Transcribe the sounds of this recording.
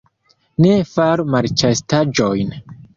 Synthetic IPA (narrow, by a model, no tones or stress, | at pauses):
nefaɾumaɾt͡ʃastad͡ʒojn